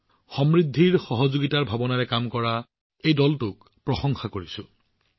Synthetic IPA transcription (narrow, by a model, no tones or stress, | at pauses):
xɔmɹidʱːiɹxɔɦɔzoɡitaɹbʱabɔnaɹɛkamkɔɹa | ejdɔltʊk | pɹɔxɔŋxakoɹisʊ̃